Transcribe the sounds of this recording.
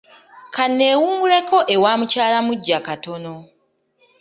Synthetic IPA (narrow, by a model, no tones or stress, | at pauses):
kanːe̞ːwuːŋɡule̞ko̞ʔewaːmucaːlamuɟːakato̞no̞